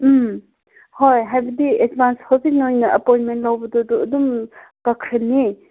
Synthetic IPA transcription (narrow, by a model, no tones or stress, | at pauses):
m | hojɦajbɐdied̚bʱanshobʰisnojnɐʔɐpojnmentlawbɐdɔdɔɐdum | pɐkʰɾɐni